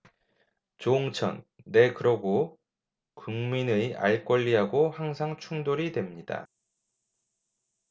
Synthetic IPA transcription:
t͡ɕoŋt͡ɕʰʌ̰nːe̞kɯɾʌɡo | kuŋminɯa̰ɭk͈wʌʎːiɦaɡohaŋsʰaŋt͡ɕʰuŋdoɾidwe̞mɲida̰

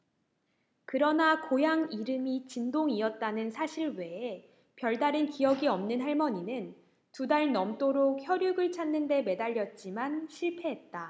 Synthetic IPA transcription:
kɯɾʌnakojaŋiɾɯmit͡ɕindoŋiʌt̚t͈anɯnsʰaɕʰiɭwe̞ | pjʌɭdaɾɯnkijʌɡiʌmnɯnɦaɭmʌɲinɯn | tudaɭnʌmt͈oɾok̚çjʌɾjuɡɯɭt͡ɕʰanːɯnde̞me̞daʎːʌt̚t͡ɕ͈imanɕʰiɭpʰe̞ɦet̚t͈a

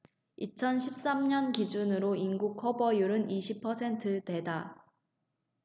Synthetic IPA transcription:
it͡ɕʰʌnɕʰip̚s͈amɲʌnkid͡ʑunɯɾoinɡukʰʌbʌjuɾɯniɕʰipʰʌsʰe̞ntʰɯde̞da

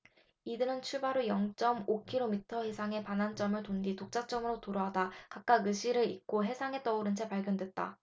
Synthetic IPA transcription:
idɯɾɯnt͡ɕʰuɭbaɾojʌŋt͡ɕ͈ʌmokʰiɾomitʰʌhe̞sʰaŋe̞panant͡ɕ͈ʌmɯɭtonɡitok̚t͡ɕ͈at͡ɕ͈ʌmɯɾotoɾʌɦadakak̚k͈aɡɯɕ͈ʰiɾɯɾḭk̚k͈oɦe̞sʰaŋe̞t͈ʌuɾɯnt͡ɕʰe̞paɭɡjʌndwe̞t̚t͈a̰

